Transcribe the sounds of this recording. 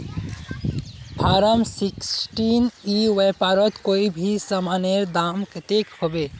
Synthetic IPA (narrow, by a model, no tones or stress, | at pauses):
pʰaːɾəmsiksʈiniwejpaɾɔt̪koibʱisəmaneɾd̪amket̪ekhobe